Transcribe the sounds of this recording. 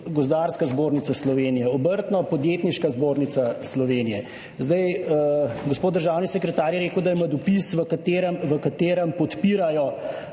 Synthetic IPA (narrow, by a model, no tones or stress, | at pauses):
ɡɔzd̪aːɾskazboːɾnit̪saslɔʋeːnijɛɔbəɾt̪nɔpɔd̪jet̪niʃkazboːɾnit̪saslɔʋeːnijɛ | zd̪aj | ɡospoːt̪̚d̪əɾʒaːwnisɛkɾɛt̪aːɾjɛɾeːkəwd̪aimad̪ɔpisʋəkat̪eːɾəmʋəkat̪eːɾəmpɔt̪piːɾajɔ